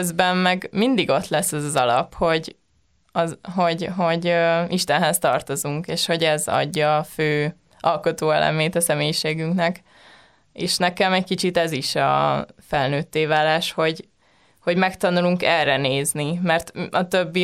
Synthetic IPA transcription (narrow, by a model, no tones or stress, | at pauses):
zbɛmmɛɡmind̪iɡo̞t̪lɛsːɛzɒzɒlɒ̰pho̞ɟ | ɒɦo̞ɟɦo̞ɟøiʃt̪ɛnɦɛst̪ɒrt̪o̞zuŋkeːʃho̞ɟɛzɒ̰ɟːɒːføː | ɒlko̞t̪oːɛ̰lɛ̰meːt̪ɒsɛmeːjiʃeːɡyŋknɛk | eːʃnɛkɛmɛckit͡ʃit̪ɛziʃɒ̰fɛlnøːt̪ːeːvaːlaːʃho̞ɟ | ho̞ɟmɛkt̪ɒnuluŋkɛrɛneːznimɛrt̪ɒt̪øbːi